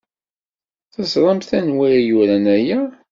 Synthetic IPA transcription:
θæzɾˤɑmθænwiɾjuɾænæjæ

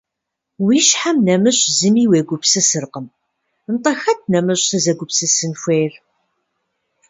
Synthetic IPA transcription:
wiʃħamnæməʃzimiwæɡʷʊbsæsəɾqəm | nt̪ˤɑxæt̪ːnæməʃθæzæɡʷʊbsæsənfeɾ

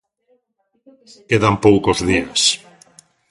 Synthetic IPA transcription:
keðampowkozðias

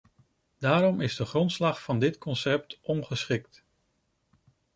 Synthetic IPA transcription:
d̥aːɾɔmɪzdəχrɔntslɑχfɑndɪtkɔnsɛp̚tʔɔnχəsχɪk̚t

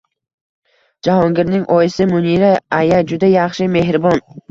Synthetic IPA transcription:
d͡ʒahɒŋɡʲɪɾnɪŋʔɒjɪsɪmʊniɾaajad͡ʒʊd̪ajɑχʃɪme̞ɦɾɪbɒn

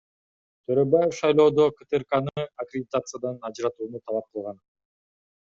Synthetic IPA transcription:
t̪ʰøɾøbaje̞fʃɑjlˠo̞ːd̪okɨt̪erkanɯɐkɾʲɪdʲɪt̪at̪sɨjad̪ɑnɑd͡ʒɾɑt̪uːnut̪ʰɑlˠɑp̚qɯlˠʁɑn

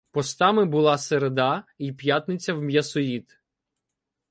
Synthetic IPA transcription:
pɔst̪ɑmɪbʊlˠɑseɾed̪ɑipjat̪nɪt͡sʲɐwmjɐsɔjit̪

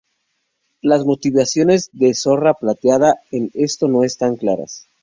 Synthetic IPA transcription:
lazmo̞t̪iβasjo̞ne̞zðeso̞raplat̪jaðaene̞st̪o̞no̞est̪aŋklaɾa̰s

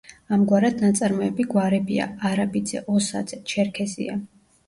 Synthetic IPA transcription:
amɡwaɾad̪̥nat̪sʼaɾmɔɛbiɡwaɾɛbia̰aɾabid̪zɛ̰ʔɔsa̰d̪zɛt͡ʃʰɛɾkʰɛzḭa

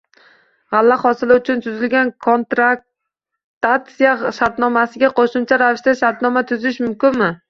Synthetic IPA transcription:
ʁalːaχɒsɪlɪʊt͡ʃʰʊnt̪ʰʊzɪlɡʲankʰont̪ɾak̚ | t̪at̪sijaʃaɾt̪nɒmasɪɡʲaqʰoʃʊmt͡ʃʰaɾavɪʃt̪aʃaɾt̪nɒmat̪ʰʊzɪʃmʊmkʲɪnmɪ

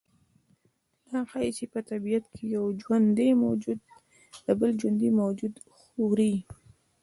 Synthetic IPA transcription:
naxajit͡ʃepət̪abijat̪kʰejawd͡ʒwand̪d̪emawd͡ʒud̪ | d̪̥əbəld͡ʒwand̪imawd͡ʒud̪ | xowɾi

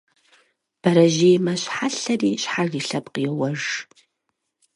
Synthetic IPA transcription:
b̥ɐɾɐʒejmɐɕħaɬɐriːɕħariːɬɐpqijɛwɐʐ

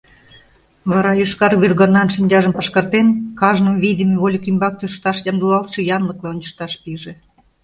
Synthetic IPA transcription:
βɑɾɑjyʃkɑrvʲyrɣɑrnɑnʃinʲd̪ʲɑʒəmpɑʃkɑrt̪enkɑʒnəmvid̪ʲemeβolʲikimbɑk̚t̪ʲøʃt̪ɑʃjɑmd̪ulɑlt̪ʃɤ̆jɑnlə̆klˠɑonʲt͡ɕə̥ʃt̪ɑʃpiʒĕ

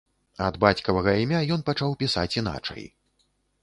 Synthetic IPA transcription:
ɐd̪bat͡sʲkɐvɐɣɐimʲajɔnpat͡ʂawpʲisa̰t͡sʲin̪a̰t͡ʂɐ̰j

